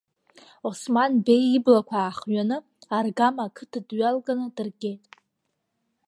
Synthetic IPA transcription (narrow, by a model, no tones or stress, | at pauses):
o̞smanbe̞jiblakʷʰaːχɥanɨ | arɡamakʰɨtʰadɥalɡʼanɨdɨrɡʲe̞jtʼ